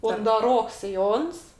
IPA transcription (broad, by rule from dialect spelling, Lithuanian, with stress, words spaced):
ʊndɐˈroːks sʲɪˈjoːns